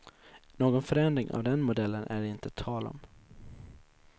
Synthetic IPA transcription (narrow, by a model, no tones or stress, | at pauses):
noːɡɔnfœɾɛnd̪ɾɪŋʔa̰vd̪ɛnmʊd̪ɛlːənʔæɖɪnt̪ət̪ʰɑːlɔ̰m